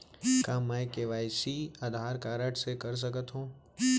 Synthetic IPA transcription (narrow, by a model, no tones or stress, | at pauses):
kãmaekeːʋaːjsiaːd̪ʱaːɾkaːɾəʈsekəɾs̬əkət̪ɦũː